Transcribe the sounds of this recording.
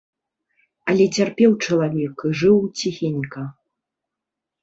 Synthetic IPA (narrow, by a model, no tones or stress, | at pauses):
ɐlʲɛt͡sʲarpʲɛwt͡ʂɐlˠavʲɛkiʐɨwt͡sʲixʲenʲkɐ